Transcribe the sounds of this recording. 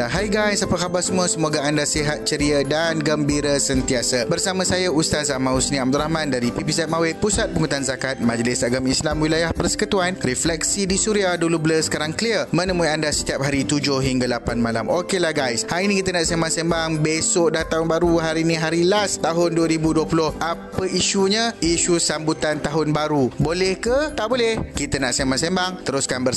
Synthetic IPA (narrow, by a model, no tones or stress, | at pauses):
aɦajɡajsapəkabarsəmũəsəmoɡaandasiɦat̪̚t͡ʃəɾiadanɡəmbiɾəsənt̪iasabərsamãsajaust̪azamãusnĩab̚d̪ulahmãndaɾipipizɛt̪̚mawepusat̪̚pəŋut̪anzakat̪̚mãd͡ʒlɪsaɡamislamwilajahpərsə̥kət̪uanɾɛflɛk̚sidisuɾiahdulubələsə̥kaɾaŋkliərmə̃nəmuiandasə̥t̪iap̚ɦaɾit̪ud͡ʒʊhɦiŋɡalapanmala̰mokelahɡajshaɾiinĩkit̪ənaʔsembaŋsembaŋbesʊʔdat̪aɦʊnbaɾuɦaɾinĩɦaɾilast̪aɦʊnduəɾibuduəpulʊhʔapəiʃuɲaiʃusambut̪ant̪aɦʊnbaɾubolɛhkət̪aʔbolɛhkit̪ənaʔsembaŋsembaŋt̪əɾʊskanbə